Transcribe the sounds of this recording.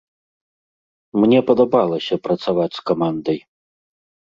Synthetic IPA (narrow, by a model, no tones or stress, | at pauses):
mnʲɛpɐd̪abalˠɐsʲɐpɾɐt̪savat͡sʲskamand̪ɐj